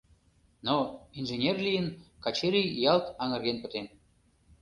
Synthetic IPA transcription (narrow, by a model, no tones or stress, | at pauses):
noinʒenʲerlʲijənkɑt͡ɕeɾʲijjɑlt̪ɑŋə̆rɣenpə̆t̪en